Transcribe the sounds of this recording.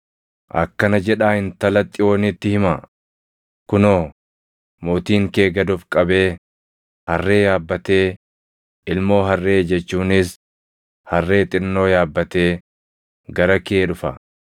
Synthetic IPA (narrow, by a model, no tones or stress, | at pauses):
ʔɐ̰kːɐnɐd͡ʒɛᶑaːhɪnt̪ɐlɐt̪ʼːɪo̞ːnɪt̪ːɪhɪma | kʊnoː | moːt̪iːŋke̞ːɡɐd̪ɔfkʼɐbe̞ː | hɐrːe̞ːjaːbːɐt̪e̞ː | ʔɪlmo̞ːɦɐrːe̞ːd͡ʒɛt͡ʃːuːnɪs | hɐrːe̞ːt̪ʼɪnːo̞ːjaːbːɐt̪e̞ː | ɡɐɾɐkeːᶑʊfɐ̰